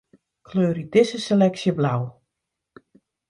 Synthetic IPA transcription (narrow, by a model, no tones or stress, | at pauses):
kʰløːɾidɪsəselɛksjəblaw